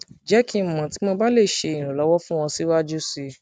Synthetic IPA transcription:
d͡ʒɛ˨˦kʰĩ˧˨mã˨ti˨˦mɔ̃˧ba˦le˦˨ʃe˧ĩ˨ɾ̃ũ˨lɔ˨˦wɔ˦fũ˦w̃ɔ̃˧si˦wa˦d͡ʒu˦si˧

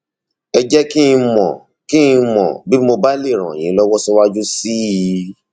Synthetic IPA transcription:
ɛ˧d͡ʒɛ˦kĩ˦˧mɔ̰̃˨ | kĩ˦˧mɔ̰̃˨bi˦mo˧ba˦le˦˨ɾ̃ã̰˨j̃ĩ˨˦lɔ˦wɔ˦sɔ˦wa˦d͡ʒu˦si˦i˧˦

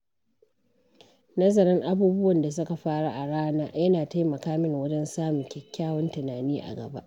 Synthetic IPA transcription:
nɐ˦zɐ˨ɾɐ˦ŋʔa˦buː˦bʊ˦wɐ˨nda˨s̬ʊ˦ka˨ɸaː˦ɽa̰˦˨ʔa˨ɽaː˦naː˦jɐ˦naː˨ta˦jmɐ˨kaː˦mɪ˦ŋwɐ˦d͡ʒɛ˦nsaː˦mʊ˨ŋkʲɛ˦kʲːaː˦wɔ˦ntɪ˨naː˨niː˦ʔa̰˨ɡɐ̰˨ba̰˦ʔ

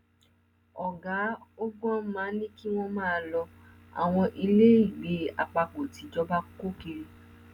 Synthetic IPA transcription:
ɔ˨ɡa˨˦o˦ɡ͡bɔ̃˦mãː˨˦nĩ˦ki˦w̃ɔ̃˦mãː˦˧lɔ˧ | a̰˨w̃ɔ̃˧ʔi˧le˦i˦˨ɡ͡be˨˦a̰˨k͡pa˧k͡po˨ti˨˦d͡ʒɔ˦ba˦ko˦ke˧ɾi˧

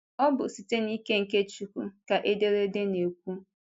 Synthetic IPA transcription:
ɔ˦bʊ˨si˨te˦ni˦ke˦ŋ̩˨ke˦t͡ʃu˨ku˦ka˨ʔe˦de˦ɾe˦de˦ne˨k̚ʷu˦

